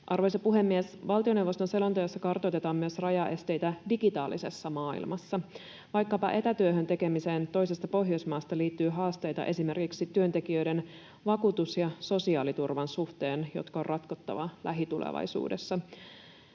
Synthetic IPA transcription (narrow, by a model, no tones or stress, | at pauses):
ʔɑrʋojsepuɦe̞mːiesʋɑlˠt̪io̞ne̞wʋost̪onse̞lo̞nt̪ojɑsːɑkɑrt̪o̞jt̪e̞t̪ɑːmmyøsrɑjɑʔe̞st̪e̞jt̪ædiɡit̪ɑːlisesːɑmɑːḭlmɑsːɑ | ʋɑjkːɑpɑ̰ʔe̞t̪æt̪yøɦønt̪e̞ke̞mise̞ːnt̪o̞jsest̪ɑpo̞ɦjo̞jsmɑːst̪ɑliːt̪ːyːɦɑːst̪e̞jt̪ɑ̰ʔe̞sime̞rkiksit̪yønt̪e̞kiø̞jden | ʋɑkuːt̪usjɑso̞siɑːlit̪urʋɑnsuht̪e̞ːnjo̞̰t̪kɑorrɑt̪kot̪ːɑ̰ʋɑlæɦit̪ulḛʋɑ̰jsṵːdesːɑ